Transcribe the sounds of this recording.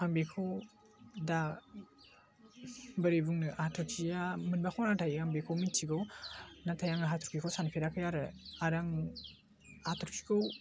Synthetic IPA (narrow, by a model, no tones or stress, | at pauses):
aŋbekʰow | da | bɯɾibuŋnɯʔaatʰɔɾkʰijamɯnbakʰɔnatʰajaŋbekʰɔwmitʰiɡɔwnatʰajaŋaɦatʰɔɾkʰikʰowsanipʰeɾakʰɯjaɾɯaɾaŋ | hatʰɔɾkʰi̥kʰow